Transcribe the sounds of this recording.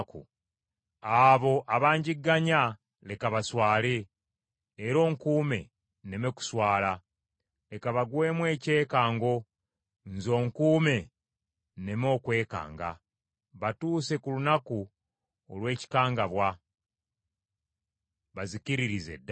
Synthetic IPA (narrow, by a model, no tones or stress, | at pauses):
kṵ | aβo̞ʔaβaːɲɟiɡːaɲa | le̞kaβaswaːle̞ː | ɾo̞ːŋkuːme̞̰ | ne̞meku̥swaːla | le̞kaβaɡwe̞ːmwe̞ːce̞ːkaːŋɡo̞ | nzo̞ːŋkuːme̞ | ne̞mo̞ːkwe̞ːka̰ːŋɡa̰ | βatuːse̞kulunaku | olwe̞ːci̥kaːŋɡaβwa | βazikiɾiɾizḛd